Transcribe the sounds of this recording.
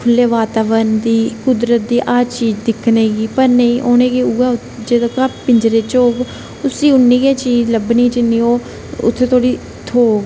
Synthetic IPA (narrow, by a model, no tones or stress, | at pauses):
kʰʊlːeːʋaːt̪aːʋənd̪iːkʊd̪ɾət̪̚d̪iːʔaːt͡ʃiːd͡ʒd̪ɪkʰːneːɡiːpəɾneiːʔoːnẽːɡiːʊɡaː | d͡ʒeːd̪akaːpɪɲd͡ʒɾeːt͡ʃoːɡ | ʊsiːʊnːĩːɡeːt͡ʃiːd͡ʒləbniːt͡ʃɪnːiːoː | ʊ̰t̪ʰːeːt̪ʰoːɽiː | t̪ʰoː